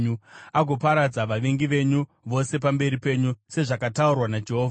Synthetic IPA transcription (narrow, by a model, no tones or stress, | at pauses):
ɲuaɡʱopaɾad͡zaʋaʋeŋɡiʋe̞ɲu | ʋo̞se̞p̬ambe̞ɾipe̞ɲuse̞ʐakataurwanad͡ʒe̞ɦoːvʱa